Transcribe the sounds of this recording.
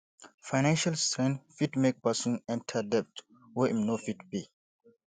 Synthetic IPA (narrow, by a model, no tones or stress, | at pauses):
fajnãnʃalstɾɛ̃nfitmek̚pasũnɛ̃ntʰədɛp̚t | wɛʔimnofitbi